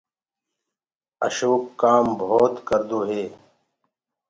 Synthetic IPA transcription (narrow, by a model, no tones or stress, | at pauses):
ə̰ʃoːkːaːmbʱoːt̪kəɾd̪oːɦeː